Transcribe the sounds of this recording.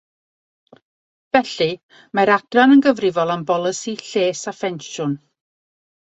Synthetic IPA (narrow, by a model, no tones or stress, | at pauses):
v̥ɛɬɨ | maɾad̥ranənɡəvrɪvɔlˠambɔlˠəsiɬeːsafɛnʃʊn